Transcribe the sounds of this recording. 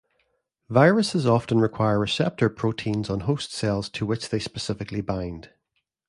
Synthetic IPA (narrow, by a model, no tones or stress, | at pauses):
vaɪɹəsɪzɔftə̃nɹɪkʰw̥aɪə˞əsɛp̚tʰə˞pʰɹ̥otʰĩnzə̃n̩ɦostsɛlˠz̥tʰəwɪt͡ʃðespəsɪfɪklˠibãɪ̃nd̥